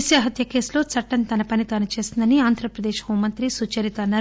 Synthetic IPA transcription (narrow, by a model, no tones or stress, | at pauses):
sjɐɦɐt̪jɐke̞ːslo̞ːt͡sʰɐʈːɐnt̪ɐnɐpɐnit̪ɐnɐt͡ʃe̞ːsind̪ɐniaːnd̪ʱɾɐpɾɐd̪eːʃhuːmɐnt̪ɾisuːt͡ʃɐɾit̪ɐnːaːɾ